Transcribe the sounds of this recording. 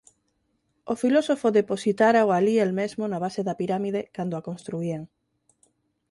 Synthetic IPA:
ofilosofoðeposit̪aɾaoalielmezmonaβ̞aseðɐpiɾamið̞ekand̪oakonst̪ɾuiaŋ

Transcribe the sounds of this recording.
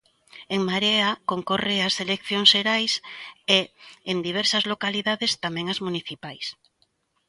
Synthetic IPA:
eŋmaɾeakoŋkoreaselekθjoŋʃʃeɾajseend̪iβ̞ɛɾsɐzlokaliðaðest̪amɛ̃ŋazmuniθipajs

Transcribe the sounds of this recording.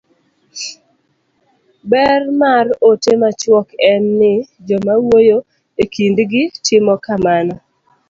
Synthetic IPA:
bɛrmarotemat͡ʃwɔkɛnːɪd͡ʒɔmawojo | ekindɡɪtɪmɔkamanɔ

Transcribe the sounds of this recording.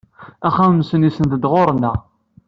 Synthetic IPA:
æχæmsənisənd̪əd̪ʁoɾˤnə

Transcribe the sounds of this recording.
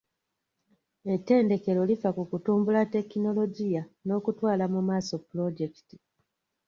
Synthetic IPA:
e̞tːe̞ːnde̞ke̞ɾo̞lifakukutuːmbulate̞kino̞lo̞ɟijano̞ːkutwaːlamumaːso̞pːulo̞ɟe̞ki̥ti̥

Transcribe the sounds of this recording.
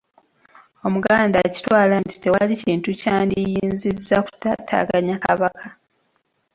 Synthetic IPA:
o̞muɡaːndaci̥twaːlanti̥te̞waliciːntucaːndijiːnzizaku̥tatʰa̰ɡaɲakaβakʰa

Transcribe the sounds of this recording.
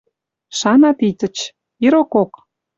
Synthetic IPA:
ʃɑnɑt̪it̪ʲə̆t͡ɕ | iɾokok

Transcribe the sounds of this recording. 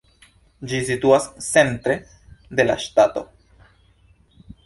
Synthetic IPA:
d͡ʒisit̪uasse̞nt̪ɾe̞ | d̪e̞la̰ʃtat̪o̞̰

